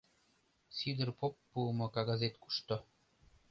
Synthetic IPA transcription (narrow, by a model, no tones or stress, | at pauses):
sid̪ə̆rpopːumŏkaɡazet̪ku̥ʃt̪o